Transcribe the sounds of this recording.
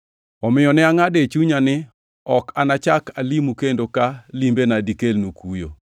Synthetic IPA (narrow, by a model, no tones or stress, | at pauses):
ɔmɪjɔnɛaŋadet͡ʃuɲanɪ | ɔkanat͡ʃakalimukendokalimbenadikelnukujo̰